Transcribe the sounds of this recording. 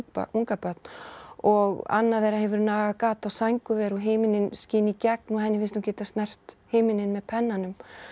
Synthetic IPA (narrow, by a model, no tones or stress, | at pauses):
uŋkapœt̪̚n̥ɔɣa̰nːaðɛjɾaɦɛvʏɾnaːɣakaːt̪awsajŋkʏvɛːɾɔɦeːjmɪnɪnsciːnicɛk̚nɔɦɛnːɪfɪnsnuwcɛːt̪ast̪nɛr̥t̪heːjmɪnɪnmɛðpʰɛnːanʏm